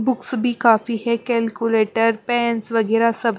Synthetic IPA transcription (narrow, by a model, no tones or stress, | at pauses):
bʊksbʱikaːfiɦɛkɛlkuleːʈəɾpɛ̃ːnsʋɐɡɛːɾasɐbʱ